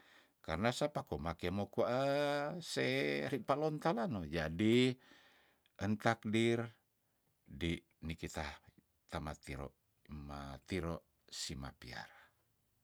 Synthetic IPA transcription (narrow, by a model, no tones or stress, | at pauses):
karnasapakomakemokuaʔəseɾipalɔnt̪alanod͡ʒadi | ʔənt̪ak̚dir | di | nikit̪ah | t̪amat̪iɾɔ̰ʔ | mat̪iɾɔ | sima̰pia̰ɾa